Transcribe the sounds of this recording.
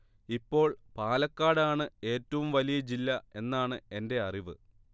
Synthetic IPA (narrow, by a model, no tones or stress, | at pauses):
ipːo̞ːɭpaːlɐkːaːɽaːɳɨe̞ːtːɐʋumʋɐlijɐd͡ʑilːɐe̞nːaːɳɨe̞nde̞ɐriʋɨ̰